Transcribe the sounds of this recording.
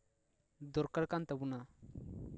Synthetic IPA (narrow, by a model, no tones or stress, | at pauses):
d̪ɔɾkəɽkant̪əbuna